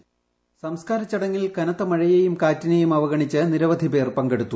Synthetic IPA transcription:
sɐmskaːɾɐt͡ɕːɐɽɐŋːilkɐnɐt̪ːɐmɐɻɐjejumkaːtːinejumɐʋɐɣɐɳit͡ɕːɨniɾɐʋɐd̪ʱipe̞ːrpɐŋɡeɽut̪ːu

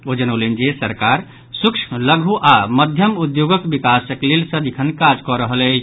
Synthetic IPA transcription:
od͡ʒənolend͡ʒesəɾkaɾ | sukʃʰləɡʱuʔaməd̪ʱjəmud̪joɡəkbikasəklelsə̃d̪ikʰənkad͡ʒkɔɾəɦəlɛ

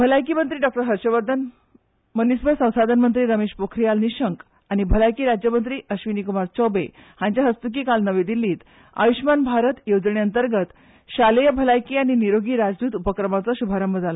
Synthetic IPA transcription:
bʱəlajkiːmənt̪ɾiːɖɔk̚ʈəɾɦəɾɕəʋəɾd̪ʱən | mənisbʱəjsə̃w̃sad̪ʱənmənt̪ɾiːɾəmeɕpokʰɾijalniɕəŋk | añibʱəlajkiːɾad͡ʑjəmənt̪ɾiːʔəɕʋinikumaɾt͡ɕɔbḛhãɲt͡ɕjaɦəst̪uk̬iːkalnəʋed̪ilːiːt̪ | a̰ʋiɕmanbʱaɾət̪jod͡zɳeənt̪əɾɡət̪ | ɕalejəbʱəlajkiːaɽ̃iniɾoɡiːɾad͡zd̪uːt̪upəkɾəmat͡saɕubʱaɾəmbəd͡zala

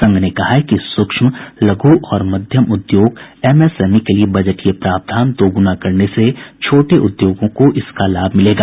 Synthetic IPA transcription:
sɐ̃ŋɡʱnekɐɦakisʊkʃmlɐɡoʔɔːɾmɐd̪ʱjəmʊd̪joːɡɛːmɛːsɛːmikeliebɐd͡ʒəʈkepɾaːp̚d̪ʱaːnd̪oːɡʊnakɐɾneset͡ʃʰoːʈeʔʊd̪joːɡõkoʔɪskalaːbʱmɪleːɡaː

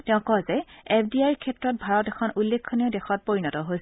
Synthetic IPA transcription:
tɛʊ̃kɔzɛepʰdiajɹkʰɛtɹɔt̚bʱaɹɔtɛkʰɔnʔulːekʰːoniʊdɛxʰɔt̚poɹinɔtɔɦojs

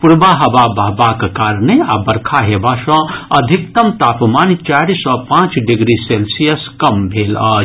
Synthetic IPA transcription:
puɾbaɦɐʋabɐɦbakkaːɾneabɐɾkʰaɦeːbaʃɔ̃ɐd̪ʱik̚t̪ɐmt̪aːpmaːnt͡ʃaːɾisɔpãːt͡ʃɖiɡɾiselsijɐskɐmbʱeːlaː

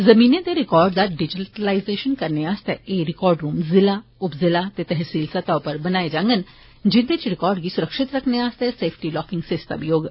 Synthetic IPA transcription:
zɐmĩːnẽt̪eɾɪkɔːɾɖd̪aɖɪd͡ʒɪʈəlaːɪzeːʃənkɐɾneaːst̪eeɾɪkɔːɾɖɾuːmzɪlaʊpzɪlat̪et̪ɛɦsiːlsɐt̪apəɾbɐnaːed͡ʒãːŋɡən | d͡ʒɪd̪et͡ʃɾɪkɔːɾɖɡisʊɾəkʃɪt̪ɾɐkʰneaːst̪eseːpʰʈilɔːkɪ̃ŋɡseːst̪a̰bjoːɡ

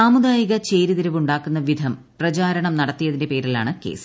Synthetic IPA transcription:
aːmud̪aːjiɣɐt͡ɕe̞ːɾiðiɾɐʋuɳɖaːkːunːɐʋid̪ʱɐmprɐt͡ɕaːɾɐɳɐmnɐɽɐt̪ːijɐðinde̞pe̞ːɾila̰ːɳɨke̞̰ːs

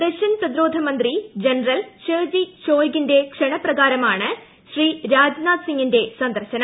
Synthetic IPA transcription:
d̪ɐkʂɐnprɐd̪iɾoːd̪ʱɐmɐnd̪rid͡ʑɐnrɐlɕeːd͡ʑiɕoːjɡinde̞kʂɐɳɐprɐɣaːɾɐmaːɳɨ | ɕriːɾaːd͡ʑnaːd̪siŋɡinde̞sɐnd̪ɐɾɕɐnɐ

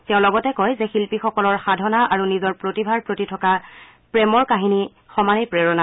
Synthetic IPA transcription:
tɛʊ̃lɔɡɔtɛkojzɛxilpixɔkɔlɔɹxadʱɔnaʔaɹunizɔɹpɹotibʱaɹpɹotitʰɔka | pɹɛmɔɹkaɦini | xɔmanipɹɛɹɔna

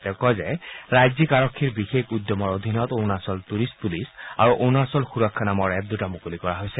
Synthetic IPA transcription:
tɛʊkɔzɛɹajzikaɹɔkʰːiɹbixekudjɔmɔɹod̪ʱinɔtonasɔltuɹist̚pulisa̰ɹuʔonasɔlxuɹɔkʰːanamɔɹɛp̚d̪utamukulikɔɹaɦojsɛ

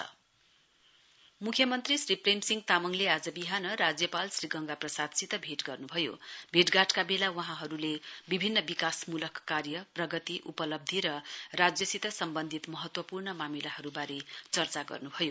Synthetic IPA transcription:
mukʰjʌmʌnt̪risripremsiŋɡt̪amʌŋlead͡zʌbiɦanʌɾad͡zjʌpalsriɡʌŋɡaprʌsad̪sit̪ʌbʱeʈɡʌrnubʱʌjo̰bʱeʈɡaʈkabelawʌɦãɦʌɾulebibʱinːʌbikasmulʌkːarjʌprʌɡʌt̪iʔupʌlʌb̚d̪ʱiɾʌrad͡zjʌsit̪ʌsʌmbʌnd̪ʱit̪mʌɦʌt̪wʌpurnʌmamilaɦʌɾubaɾet͡sʌrt͡saɡʌ̰rnubʱʌjo

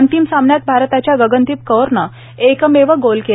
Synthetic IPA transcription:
ənt̪imsamɳjat̪̚bʱaɾt̪at͡ɕjaɡəɡənt̪iːp̚kəɾɳə | ekəmeʋəɡolke

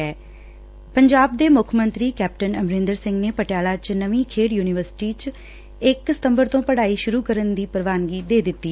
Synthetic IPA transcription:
ɛː | pəɲd͡ʒaːb̚d̪eːmʊkʰmənt̪ɾiːkɛːp̚ʈənəmɾɪnd̪əɾsɪ̃ŋɡneːpəʈɪjaːlaːt͡ʃnəʋĩːkʰeːɽjuːnɪʋəɾsʈiːt͡ʃ | ɪksɪ̥t̪ə̃mbəɾt̪õːpəɽaːiːʃʊɾuːkəɾənd̪iːpəɾʋaːnɡiːd̪eːd̪ɪt̪ːiː

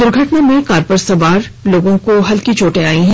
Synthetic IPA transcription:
d̪ʊɾɡʱɐʈnamẽkaːɾpəɾsɐʋaːɾ | loːɡõkoɦɐlkit͡ʃoːʈẽaːĩɦɛ̃

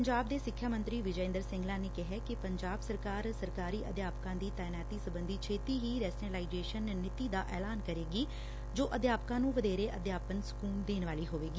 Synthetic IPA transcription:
ɲd͡ʒaːb̚d̪eːsɪkʰːjaːmə̃nt̪ɾiːʋɪd͡ʒɛɪ̃ːnd̪əɾsɪ̃ŋɡlãːneːkɪɦɛːkɪpəɲd͡ʒaːbsəɾkaːɾsəɾkaːɾiːʔəd̪jaːpkãːd̪iːt̪ɛːnɛːt̪iːsəbənd̪iːt͡ʃʰeːt̪iːɦiːɾɛːsneːlaːid͡ʒeːʃənːɪt̪iːd̪aːʔɛːlaːnkəɾeːɡiː | d͡ʒoːʔəd̪jaːpkãːnũːʋəd̪eːɾeːʔəd̪jaːpənsʊ̥kuːnd̪eːnʋaːliːɦoːʋeːɡi

